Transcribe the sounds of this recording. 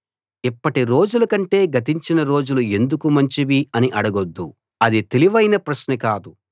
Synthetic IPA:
ipːɐʈiɾo̞ːd͡ʒulɐkɐɳʈe̞ːɡɐt̪̬iɲt͡ʃinɐɾo̞ːd͡ʒulue̞nd̪ukumɐɲt͡ʃiʋiɐniʔɐɽɐɡod̪ːu | ɐd̪it̪e̞liʋɐjnɐpɾɐʃnɐkaːd̪u

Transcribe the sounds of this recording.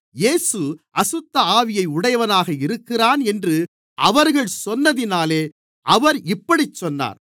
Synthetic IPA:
jeːsɯʔɐsɯt̪ːɐaːʋɪjɐɪʊɽɐjɐʋɐnaːɣɐɪɾɯkːɪraːnɛndrɯ | ʔɐʋɐɾɣɐɭsɔnːɐðɪnaːleː | ʔɐʋɐɾɪpːɐɽit͡ʃːɔnːa̰ːɾ

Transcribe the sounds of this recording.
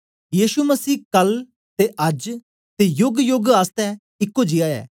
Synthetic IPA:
jiːʃuməsiːkɐl | t̪eʔɐd͡ʒ | t̪ejʊɡjʊɡaːst̪ɛ | ɪkːod͡ʒɪaːɛ̰ː

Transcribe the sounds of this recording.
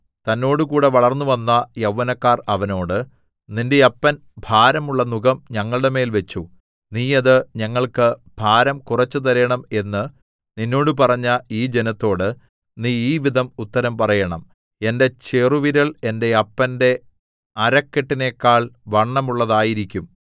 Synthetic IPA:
t̪ɐnːo̞ːɽɨkuːɽe̞ʋɐɭɐrnːuʋɐnːɐjɐwʋːɐnɐkːaːrɐʋɐno̞ːɽɨ | ninde̞ɐpːɐn | bʱaːɾɐmuɭːɐnuɡɐmɲɐŋːɐɭɨɽe̞me̞ːlʋe̞t͡ɕːu | niːɐðɨɲɐŋːɐɭkɨb̥ʱaːɾɐmkurɐt͡ɕːɨt̪̬ɐɾɐjɐɳɐme̞nːɨ | ninːo̞ːɽɨp̬ɐrɐɲːɐiːd͡ʑe̞nɐt̪ːo̞ːɽɨ | niːiːʋiðʱɐmut̪ːɐɾɐmpɐrɐjɐɳɐm | e̞nde̞t͡ɕeruʋiɾɐɭe̞nde̞ɐpːɐnde̞ | ɐɾɐkːeʈːine̞kːaːɭʋɐɳːɐmuɭːɐðaːjiɾikʲːum

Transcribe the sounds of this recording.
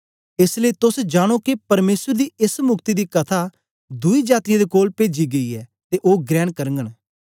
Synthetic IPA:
ɪsleiːt̪ʊsd͡ʒaːɽ̃okipɐɾmeːsəɾd̪iːɪsmʊkt̪id̪iːkɐt̪ʰa | d̪ʊiːd͡ʒaːt̪ɪjãd̪eːkoːlpeːd͡ʒiːɡəiːɛːt̪eʔoːɡɾɛːɳkəɾəŋɡəɽ̃

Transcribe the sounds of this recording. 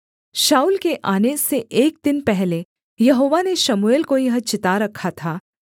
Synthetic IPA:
ʃaːuːlkeʔaːneseʔeːk̚d̪ɪnpɛɦle | jɐɦoːʋaneʃɐmueːlkojɐɦət͡ʃɪt̪aɾɐkʰːat̪ʰaː

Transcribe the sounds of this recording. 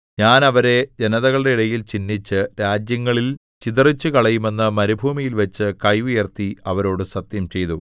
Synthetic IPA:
ɲaːnɐʋɐɾe̞d͡ʑenɐðɐɣɐɭɽe̞iɽɐjilt͡ɕinːit͡ɕːɨɾaːd͡ʑjɐŋːɐɭil | t͡ɕiðɐrit͡ɕːɨkɐɭɐjume̞nːɨmɐɾubʱuːmijilʋɐt͡ɕːɨkɐjʋijert̪iɐʋɐɾo̞ːɽɨsɐt̪jɐmt͡ɕe̞jt̪u

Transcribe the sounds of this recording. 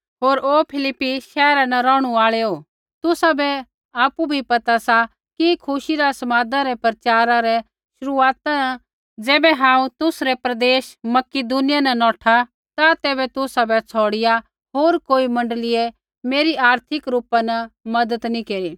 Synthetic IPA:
ɦoːɾoːpʰɪlɪpːiʃɛːɾanɐɾɔːɽ̃uaːɭeo | t̪ʊsabɛ | aːpubʱipɐt̪asa | kikʰʊʃiɾasɐmaːd̪ãɾɛpɾt͡ʃaːɾãɾɛ | ʃʊɾuaːt̪ana | d͡zɛːbɛɦãːũt̪ʊsɾɛpɾɐd̪eːʃmɐkɪd̪uːnɪjanɐnɔːʈʰa | t̪at̪ɛːbɛt̪ʊsabɛt͡sʰɔːɽɪja | ɦoːɾkoːimɐ̃ɳɖəlɪe | meːɾiaːɾt̪ʰɪkɾuːpanɐmɐd̪ət̪nĩkeːɾi

